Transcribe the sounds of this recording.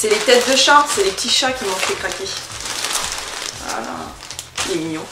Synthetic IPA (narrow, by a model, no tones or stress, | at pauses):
sɛlet̪ɛt̪̚d̪əʃɑ̃t̪sɛlep̚t̪ʲiʃakʲimɔ̃fɛkχakʲe | a̰la̰ | lemiɲjɔ̃